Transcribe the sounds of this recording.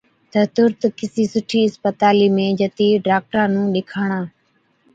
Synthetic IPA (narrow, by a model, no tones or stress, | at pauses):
t̪əɦt̪ʊɾt̪kɪsiːsʊʈʰiːɪspət̪aːliːmẽːd͡ʒət̪iːɖaːk̚ʈəɾãːnũːɗɪkʰaːɳ̃ãː